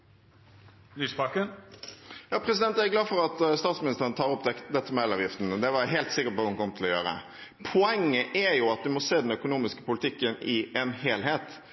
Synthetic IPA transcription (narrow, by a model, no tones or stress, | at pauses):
lysbɑkən | jɑːpʰɾɛsɪd̪ɛnt̪æɡlɑːfɔɾɑt̪st̪ɑːt̪smɪnɪst̪əɾənt̪ʰɑːɾɔp̪d̪ɛt̪ːəmɛlɑːʋjɪft̪n̩d̪ɛʋɑɾɦɛːlt̪sɪkːəpɔhɑnkʰɔmt̪ʰɪlɔjø̰ːɾə̰ | pʰɔɛŋːəʔæɾjʊɑt̪̚d̪ɪmɔseːd̪ɛnœkʊnuːmɪskə̥pʊlɪt̪ʰɪkːənɪʔɛnheːlɦeːt̪